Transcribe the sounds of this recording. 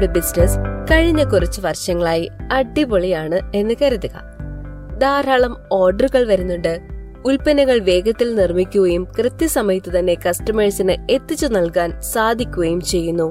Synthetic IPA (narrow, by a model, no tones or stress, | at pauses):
ɽebisneskɐɻiɲːɐkurɐt͡ɕːuʋɐrɕɐŋːɐɭaːjiɐɖːiboɭijaːɳɨe̞nːɨkɐɾɐðiɣɐ̰ | d̪aːɾaːɭɐmo̞ːrɖɐruɣɐɭʋɐɾunːuɳɖɨ | ulpɐnɐŋːɐɭʋe̞ːɡɐt̪ːilnirmikʲːuɣɐjumkrɨt̪jɐsɐmɐjɐt̪ːɨt̪ɐnːe̞kɐstɐmeɻsinɨe̞t̪ːit͡ɕːunɐlkaːnsaːd̪ʱikʲːuɣɐjumt͡ɕe̞jːunːu